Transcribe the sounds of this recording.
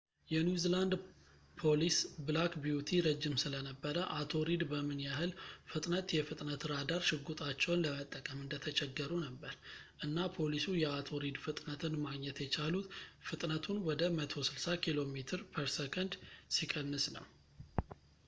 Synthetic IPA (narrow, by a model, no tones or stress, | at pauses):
jɛnjuziland̪ | pʰo̞lisblakbijut̪ʰiɾəd͡ʒːɪmsɨlənəbːəɾəʔat̪ʰo̞ɾid̪bəmɨnjaɦɨlfɨt̪ʼnət̪jɛfɨt̪ʼnət̪ɾad̪aɾʃɨɡut̪ʼat͡ʃːɛwnləmət̪ʼːəkʼəmɨnd̪ət̪ʰət͡ʃʼɛɡːəɾunəbːəɾʔɨnːapʰo̞lisujɛat̪ʰo̞ɾid̪fɨt̪ʼnət̪ʰɨnmaɡɲɛt̪jɛt͡ʃʰalut̪fɨt̪ʼnət̪ʰunwɔd̪əmət̪ʰo̞sɨlsakʰilo̞met̪ʰɨɾpʰəɾsəkʰənd̪sikʼənːɨsnə̰w